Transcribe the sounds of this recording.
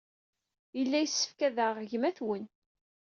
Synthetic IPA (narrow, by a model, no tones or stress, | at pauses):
jəlːæjəsːə̥fkæðəʁəʝmæθwən